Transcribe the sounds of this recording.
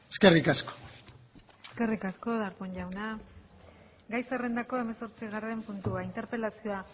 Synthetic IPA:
eskerikasko̥ | eske̞rikasko̞ðaɾpoɲʎawna | ɡajsere̞nd̪ako̞e̞me̞so̞ɾt͡siɣare̞mpunt̪uaint̪e̞ɾpe̞lasio̞a

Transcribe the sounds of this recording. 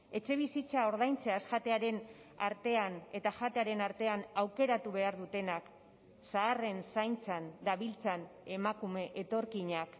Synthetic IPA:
e̞t͡ʃe̞β̞isit͡sao̞ɾð̞ajnt͡seaskat̪e̞aɾe̞n | a̰ɾt̪e̞ane̞t̪aʝat̪eaɾe̞naɾt̪e̞anawke̞ɾat̪uβe̞aɾðut̪e̞nak | saːre̞nsajnt͡sand̪aβilt͡sanemakume̞ʔet̪o̞ɾkiɲak

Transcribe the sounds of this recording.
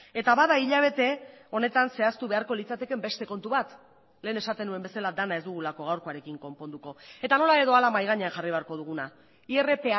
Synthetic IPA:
e̞t̪aβaðaiʎaβ̞e̞t̪e̞o̞ne̞t̪anse̞ast̪uβe̞aɾko̞lit͡sat̪e̞ke̞mbe̞st̪e̞ko̞nt̪uβat̪ | le̞ːne̞sat̪e̞nue̞mbe̞salad̪anae̞zd̪uɣulako̞ɣ̞awɾko̞aɾe̞kiŋko̞mpo̞nd̪uko̞e̞t̪ano̞lae̞ðo̞alamajɣ̞aɲeaxariβe̞aɾko̞ð̞uɣuna | ie̞re̞pe̞a

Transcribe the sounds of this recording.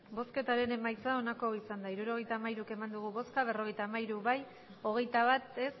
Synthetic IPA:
bo̞ske̞t̪aɾe̞ne̞majt͡sao̞nako̞isand̪aiɾuɾo̞ɣ̞e̞jt̪aːmaiɾuke̞mand̪uɣ̞uβo̞skaβ̞e̞ro̞ɣejt̪aːmaiɾuβaj | o̞ɣ̞e̞jt̪aβat̪e̞s

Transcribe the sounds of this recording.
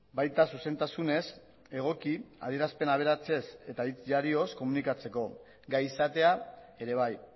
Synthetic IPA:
bajt̪asuse̞nt̪asune̞s | e̞ɣ̞o̞kia̰ðie̞ɾaspe̞naβ̞e̞ɾat͡se̞se̞t̪ait͡sʝaɾio̞sko̞munikat͡se̞ko̞ | ɡajisat̪e̞a | e̞ɾe̞β̞aj

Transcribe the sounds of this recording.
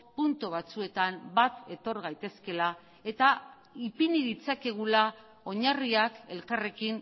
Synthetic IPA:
punt̪uβat͡sue̞t̪ambat̪e̞t̪o̞ɾɣ̞ajt̪e̞ske̞la | e̞t̪a | ipiniðit͡sake̞ɣ̞ula | o̞ɲariake̞lkare̞kin

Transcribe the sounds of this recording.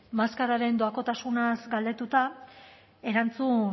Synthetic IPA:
maskaɾaɾe̞nd̪oako̞t̪asunasɡald̪e̞t̪ut̪a | e̞ɾant͡su

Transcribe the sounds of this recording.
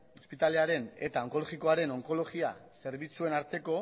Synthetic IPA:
ospit̪aleaɾe̞ne̞t̪ao̞ŋko̞lo̞ɣiko̞aɾe̞no̞ŋko̞lo̞ɣiase̞ɾβit͡sue̞naɾt̪e̞ko̞

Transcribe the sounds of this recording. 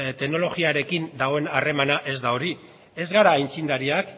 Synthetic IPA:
t̪e̞ɡno̞lo̞ɣiaɾe̞kind̪aɣoe̞nare̞manaʔe̞zd̪ao̞ɾi | e̞zɣaɾaːjnt͡sind̪aɾiak

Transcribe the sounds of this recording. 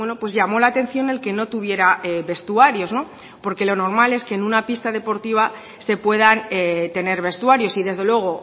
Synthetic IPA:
weno̞pwezʝamo̞laːt̪e̞n̟θjo̞ne̞lke̞no̞t̪uβ̞je̞ɾaeβe̞st̪uaɾjo̞zno̞ | po̞ɾke̞lo̞no̞ɾmale̞ske̞ːnũnapist̪að̞e̞po̞ɾt̪iβ̞a | se̞pwe̞ð̞anet̪e̞ne̞ɾβe̞st̪uaɾjo̞siðe̞zðe̞lwe̞ɣ̞o̞

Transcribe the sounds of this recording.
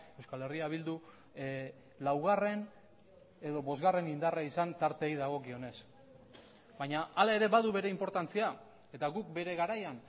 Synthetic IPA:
e̞wskale̞riaβ̞ild̪u | lawɣ̞are̞n | e̞ðo̞βo̞zɣare̞nind̪araisant̪aɾt̪e̞jðaɣ̞o̞kio̞ne̞s | bajɲaʔːlae̞ɾe̞βaðuβe̞ɾe̞impo̞ɾt̪ant͡sia | e̞t̪aɣuk̚be̞ɾe̞ɣaɾajan

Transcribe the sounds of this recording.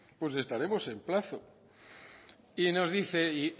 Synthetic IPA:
pwe̞s̬e̞st̪aɾe̞mo̞se̞mplaθo | ino̞zðiθe̞i

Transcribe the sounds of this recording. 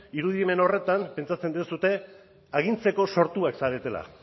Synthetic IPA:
iɾuð̞ieme̞no̞re̞t̪ampe̞nt͡sat͡se̞nd̪iesut̪e̞ | aɣ̞int͡se̞ko̞so̞ɾt̪uaksaɾe̞t̪e̞la̰

